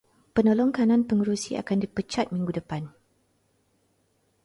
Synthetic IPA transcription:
pənolɔŋkanãnpəŋəɾusia̰kandipət͡ʃat̪̚mĩŋɡudəpan

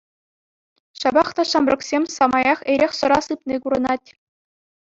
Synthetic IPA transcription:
ɕɑbɑχt̪ɑɕɑmrɤ̆ksʲemʲsɑmɑjɑχeɾʲexʲsɤ̆ɾɑsɯpnʲikuɾɤ̆nɑtʲ

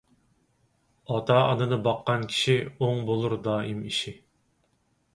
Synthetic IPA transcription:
ɑt̪ʰɑɑ̰nɨnɨbɑqːɑnkʲʰi̥ʃioŋbolˠuɾd̪ɑːjimiʃi

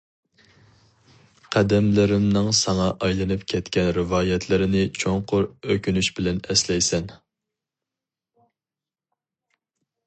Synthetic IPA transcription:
qʰæd̪ɛmlɪɾɪmnɨŋsɑŋɑʔɑjlˠɨnɨpkʲʰɛt̪kʲʰɛnɾɪvɑːjɛt̪ʰlɪɾɪnɪt͡ʃʰoŋqʰʊɾøkʲynyʃbɪlɛnɛslɛjsɛn

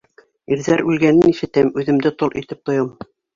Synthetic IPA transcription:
iɾðæɾʉlɡænɘniʃɘ̆t̪æmʉðɘ̆md̪ɘt̪olˠʔit̪ɘp̚t̪ŏjɤm

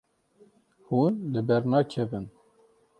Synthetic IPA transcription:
huːnlɨbɛɾnɑːkʰɛvɨn

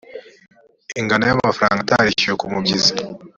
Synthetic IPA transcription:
iŋɡanajamafɾa̰ːŋɡataɾicijekumubɟizi

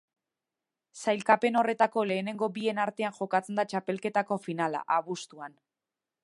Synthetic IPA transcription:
sajlkape̞no̞re̞t̪ako̞le̞ːne̞ŋɡo̞bie̞naɾt̪e̞anʝo̞kat͡se̞nd̪at͡ʃape̞lke̞t̪ako̞finala̰ʔaβust̪uan

